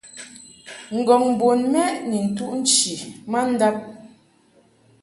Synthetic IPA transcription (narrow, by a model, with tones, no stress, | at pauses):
ŋ̩˨ɡɔ˨ŋm˨bo˨nmɛ˦ʔni˨n̩˨tu˦ʔn̩˦t͡ʃi˨ma˦n̩˦da˦p̚